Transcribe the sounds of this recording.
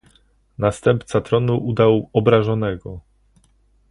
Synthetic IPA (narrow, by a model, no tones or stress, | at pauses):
nast̪ɛmpt̪sat̪ɾɔnuʔud̪awɔbɾaʐɔnɛɡɔ